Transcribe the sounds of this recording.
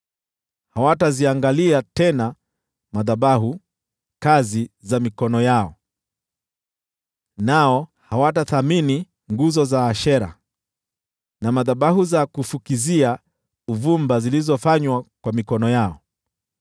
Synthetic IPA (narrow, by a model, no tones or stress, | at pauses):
hawataziaŋɡaliatɛna | maðaɓaɦu | kazizamikɔnɔjaɔ | naɔhawataθamini | ŋɡuzɔzaːʃɛɾa̰ | namaðaɓahuzakufukizia | uvumbazilizɔfaɲwakwamikɔnɔjaɔ